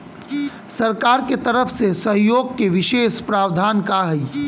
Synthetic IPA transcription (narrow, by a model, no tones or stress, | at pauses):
sɐɾkaːɾket̪ɐɾəfsesɐɦjoːɡ̚keʋɪʃeːʃpɾaːʋd̪ʱaːnkaɦɛi